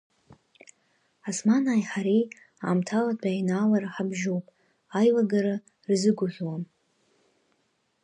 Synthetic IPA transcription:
asmanaːjħaɾi | a̰ːmtʰaladʰʼajnaːlaraħabʒowpʼ | ajlaɡaɾa | rzɨɡʷʊʒʲʷwam

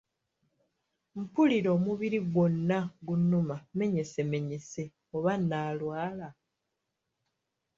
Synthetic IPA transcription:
m̩puliɾo̞ːmuβiɾiɡwo̞nːaɡunːumame̞ɲe̞se̞me̞ɲe̞se̞ | oβanːaːlwaːla

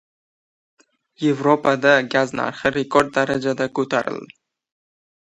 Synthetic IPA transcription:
je̞vɾopad̪aɡazna̰ɾχɨɾekoɾd̪̚ːaɾad͡ʒad̪akʰɵt̪ʰaɾɪ̰ld̪ɪ

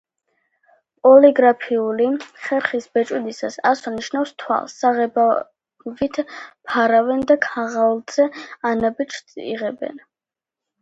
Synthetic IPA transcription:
pʼɔliɡɾapʰiuliχɛɾχisbɛt͡ʃʼwid̪isasasɔniʃnafst̪ʰwa̰lˠsːaʁɛba | vit̪ʰpʰaɾavɛnd̪akʰaʁalˠz̥ɛanabit͡ʃʰʼḭʁɛbɛ̰n

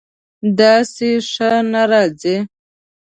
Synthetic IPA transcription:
d̪ɑːsiʂənaɾɑd͡zi

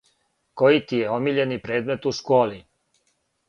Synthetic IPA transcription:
ko̞jit̪ijeo̞miʎe̞nipɾe̞ːd̪me̞t̪uskoːli

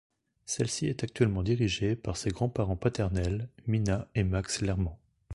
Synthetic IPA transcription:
sɛlsiɛt̪ak̚t̪ɥɛlmɑ̃d̪iʁiʒepaʁseɡʁɑ̃paʁɑ̃pat̪ɛʁnɛlminaemakslɛʁmɑ̃

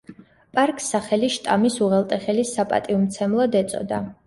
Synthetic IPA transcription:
pʼaɾkʼsːaχɛliʃt̪ʼamisuʁɛlˠt̪ʼɛχɛlisapʼa̰t̪ʼiumt̪sʰɛmlˠɔd̪ɛt̪sʼɔ̰d̪a

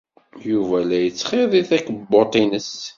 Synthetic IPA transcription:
juvælæjət͡sːχeðˤiθækəbːot̪ˤinəs

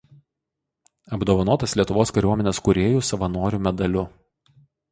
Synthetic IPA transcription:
ɐbd̪oːʋɐnoːt̪ɐslʲiɛt̪ʊʋoːskɐɾʲuɔmʲɛnʲeːskʊɾʲeːjuːsɐʋɐnoːɾʲuːmʲɛd̪ɐlʲʊ

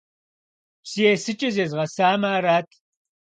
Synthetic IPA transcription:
psijeːsɨt͡ʃʼɐzeːzʁɐsaːmaːɾaːtʰ

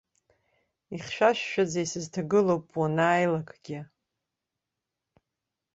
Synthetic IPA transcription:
iχʃᶣaʃᶣːad͡zajsɨztʰaɡɨlowpʼwanaːjlakʼɡ̥ʲɪ

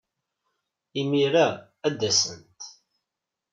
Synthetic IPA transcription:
imiɾa | æd̪ːæsə̰nt̪

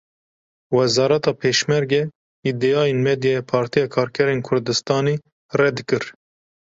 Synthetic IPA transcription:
wɛzɑːɾɛt̪ɑːpʰeːʃmɛɾɡɛ | id̪eɑːjenmɛd̪jɑjpʰɑːɾt̪ʰijɑːkʰɑːɾkʰɛɾeːnkʰʊɾd̪ɨst̪ɑːne | rɛd̪ɨkɨɾ

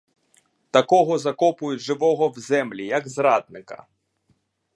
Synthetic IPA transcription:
t̪ɐkɔɦɔzɐkɔpʊjʊtʲʐɪʋɔɦɔwzɛmlʲijɐɡzɾad̪̚nɪkɐ̥̰

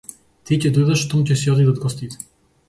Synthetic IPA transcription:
t̪icɛd̪ɔjd̪aʃt̪ɔmcɛsiɔd̪id̪ad̪ɡɔst̪it̪ɛ̥

